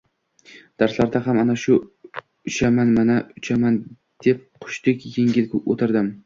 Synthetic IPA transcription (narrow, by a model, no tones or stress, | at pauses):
d̪̥aɾslaɾd̪aɦamanaʃʊ | ʊt͡ʃamanmanaʊt͡ʃʰaman | d̪̥e̞p̚qʰʊ̥ʃt̪ɪkʲjeŋɡʲɪlɡʲɪot̪ʰɪɾd̪ɪm